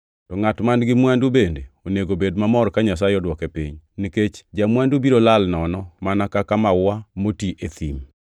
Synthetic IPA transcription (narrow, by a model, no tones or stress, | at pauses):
tɔŋatmanɡɪmwandubendeoneɡobedmamɔɾkaɲasaeɔdwɔkepḭɲniket͡ʃd͡ʒamwandubiɾolalnɔnɔmanakakamawamotiʔet̪im